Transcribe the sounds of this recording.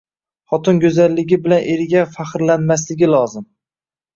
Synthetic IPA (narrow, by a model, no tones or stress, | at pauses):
χɒt̪ʰʊnɡʲɵzalːɪɡʲɪbɪlanʔeɾɪɡʲafaχɾlanmas̬lɪɡʲɪlɒzɪm